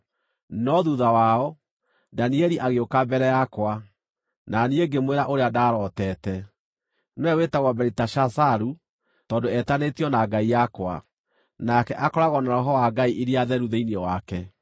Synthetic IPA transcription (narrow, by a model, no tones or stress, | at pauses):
nɔðuðawaɔ | daniɛɾiʔaɣeokabɛɾɛjakwa | nanieɡemweɾaʔoɾeadaɾɔtɛːtɛ | nɛwetaɣwɔbɛɾitaʃasaɾu | tɔːdoɛtanetiɔnaɡaijakwa̰ | nakɛʔakɔɾaɣɔnaɾɔɦɔwaɡaiʔiɾeaðɛɾuðeiniɔwakɛ